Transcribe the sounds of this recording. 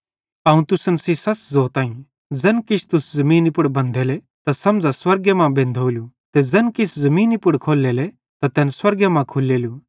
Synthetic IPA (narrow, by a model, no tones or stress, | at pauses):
aːũt̪ʊsənsisɐt͡szoːt̪aːĩ | d͡zɐnkɪt͡ʃʰt̪ʊszɐmĩːnɪpʊɽbɐ̃nd̪ʱɛːle | t̪asɐ̃md͡zaswɐɾɡjəmãbẽːnd̪ʱoːlju | t̪ed͡zɐnkɪsʰzɐmiːnɪpʊɽkʰoːlːɛeːlɛ | t̪at̪ɛːnswɐɾɡjɐmãkʰʊlːeːlju